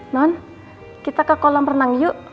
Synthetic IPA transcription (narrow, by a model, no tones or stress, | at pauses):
nɔn | kit̪akakolɔmpərnaŋjuʔ